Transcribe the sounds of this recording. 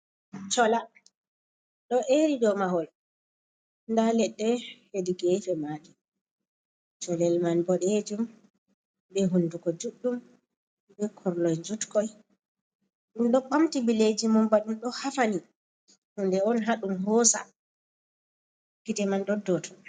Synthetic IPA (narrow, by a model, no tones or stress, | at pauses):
t͡ʃɔla | ɗɔʔeɾidɔmaɦɔl | ndalɛɗːɛhediɡɛfɛmaːdi | t͡ʃɔlɛlmanbɔɗɛed͡ʒum | bɛɦundukɔd͡ʒuɗːum | bɛkʰɔɾlɔjɲd͡ʒutkɔj | inɗɔɓamtibiled͡ʒimɔmbaɗumɗɔhafani | hundɛɔnɦaɗumɦɔːsa̰ | kitɛmanɗɔdɔtʰɔ̥